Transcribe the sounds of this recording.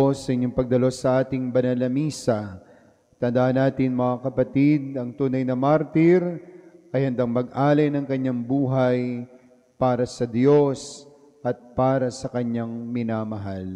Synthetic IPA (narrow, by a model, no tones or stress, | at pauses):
sːɐʔɪɲːoŋpɐɡ̚d̪ɐlo̞sːɐʔaːt̪ɪŋbɐnɐlɐmiːsɐ | t̪ɐnd̪aʔhɐnːaːt̪ɪnmɐŋakɐpɐt̪id̪̚ɐŋt̪uːnɐjnɐmaɾt̪ɪɾʔɐjhɐnd̪aŋmɐɡʔaːlɐjnɐŋkɐɲːaŋbuːɦɐj | paːɾɐsɐd̪jo̞s | ʔɐt̪̚paːɾɐsɐkɐɲaŋmɪnamɐɦal